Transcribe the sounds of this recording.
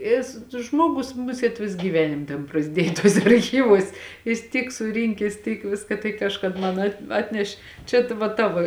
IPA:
ˈɪs ˈʒmuɔɡʊs ˈmʊsʲeːt ˈʋʲɪs ɡʲiːˈʋʲæːnʲɪm tʲeːn prɐzʲˈdʲiɛj tuɔˈsʲɛ ɐrʲˈxʲiːʋuɔs ˈjɪs ˈtʲiːk sʊˈrʲɪŋʲkʲɛs ˈtʲiːk ˈʋʲɪskɐ tɐɪ ˈkɑːʃkɐt ˈmɐn ɐt ˈɑːtʲnʲɛʃʲ ˈt͡ʃʲɛ tʋɐ ˈtɑːʋoː

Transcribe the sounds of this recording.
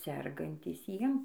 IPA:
ˈsʲɛrɡɐnʲtʲiːs ˈjiɛm

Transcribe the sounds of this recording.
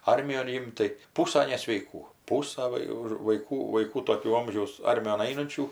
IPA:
ˈɐrʲmʲɪjoːn ˈɪmt tɐɪ ˈpuːsɐ nʲɛsʲʋʲɛɪˈkuː ˈpuːsɐ ˈʋɐ jɛʊ ɪr ʋɐɪˈkuː ʋɐɪˈkuː toːˈkʲuː ˈoːmʲʒʲɛʊs ˈɐrʲmʲɪjoːn ˈɐɪnʊnʲt͡ʃʲuː

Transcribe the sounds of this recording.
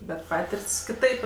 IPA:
bʲɛt ˈpɑːtʲɪrʲtʲsʲ kʲɪˈtɐɪp

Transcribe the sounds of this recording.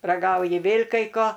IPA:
rɐˈɡɐʊjɪ ˈʋʲeːlʲ kɐɪ ˈkoː

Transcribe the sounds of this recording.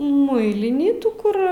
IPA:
ˈmʊɪlʲɪnʲiː ˈtuː kʊr

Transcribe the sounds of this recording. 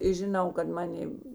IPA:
ɪ ʒʲɪˈnɐʊ kɐt ˈmɑːnʲeː

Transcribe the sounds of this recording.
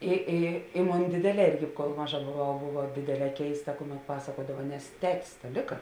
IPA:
ɪ ˈɪ ɪ ˈmoːn ˈdʲeːdʲeːˌlʲɛː ˈɪrʲɡʲɪ koːlˠ ˈmɑːˌʒɐ boːˈʋɐʊ ˈboːʋɐ ˈdʲeːdʲeːˌlʲɛː ˈkʲɛɪstɐ ˈkʊˌmʲɛt ˈpɑːsɐkuɔdɐʋɐ nʲɛs ˈtʲæːtʲɪs tɐ ˈlʲɪkɐ

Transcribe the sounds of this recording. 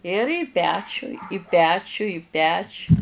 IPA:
ɪr iː ˈpʲæːt͡ʃʲʊ ɪ ˈpʲæːt͡ʃʲʊ ɪ ˈpʲæːt͡ʃʲʊ

